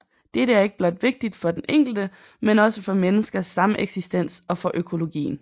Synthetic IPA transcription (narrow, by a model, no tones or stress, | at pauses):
d̥eɾ̥əæɐe̝ɡ̥əb̥lɒ̽d̥ʋe̝ɡ̥̚d̥id̥fɒ̽d̥enʔeŋ̰ɡ̥l̩d̥ə | menɒ̽səfɒ̽menəsɡ̥ɐsːɑ̈məʔeɡ̥sisd̥en̰sɒ̽fɒ̽ʔøkʰo̝lo̝ɡ̥ḭːn̩